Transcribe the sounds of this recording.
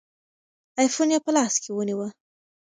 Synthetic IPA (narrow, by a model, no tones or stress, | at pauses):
ɑjfonjɑpəlɑskʰewəniwə